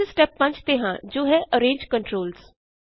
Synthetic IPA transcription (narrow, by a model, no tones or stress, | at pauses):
sʈɛpːə̃ɲd͡ʒt̪eɦã̰ːd͡ʒoːɦɛʔəɾẽːnd͡ʒkə̃ɳʈɾoːlz